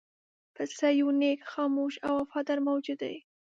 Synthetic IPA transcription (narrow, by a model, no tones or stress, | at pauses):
pəsajunekxɑmoʃawafɑd̪aɾmawd͡ʒud̪a̰j